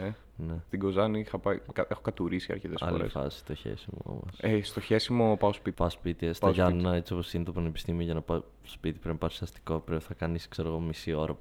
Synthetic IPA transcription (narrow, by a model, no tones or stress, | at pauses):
e | nest̪iɡo̞zɐnixɐpɐjkɐexokɐt̪uɾisiɐ̰ɾçet̪esɐ̰lo̰lɾḛfɐ̰si̥st̪oçḛsimo̰mɐ̰sest̪oçesimopɐospit̪pɐospit̪istɐʝɐnunɐe̞t͡sio̞posinet̪opɾɐne̞pi̥st̪imioʝɐnɐpɐ | spit̪i̥pɾimpɐɾisɐst̪i̥ko̞pɾeθɐkɐniskseɾo̞ɣo̞misio̞ɾɐp